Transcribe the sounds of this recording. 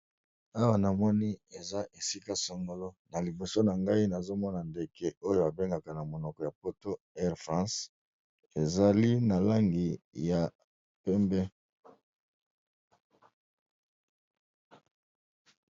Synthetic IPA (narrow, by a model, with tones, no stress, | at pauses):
a˦wa˨na˨mɔ˦ni˦e˨za˦ʔe˨si˦ka˦so˨ŋɡo˨lo˦na˨li˨bo˨so˦na˨ŋɡa˦i˦na˨zo˦mɔ˦na˨nde˨kɛ˦ʔo˦jo˨a˨be˦ŋɡa˨ka˨na˨mo˨nɔ˨kɔ˨ja˨po˦to˦ | ɛ˦ʁfʁɑ̃˦s | e˨za˨li˦na˨la˦ŋɡi˨ja˨ | pɛ˦mbɛ˦